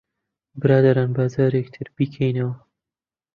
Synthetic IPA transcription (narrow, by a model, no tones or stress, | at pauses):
bɨɾɑːd̪ɐɾaːnbaːzaːɾekt̪ʰɨɾb̥iːkʰɛjnɐwɐ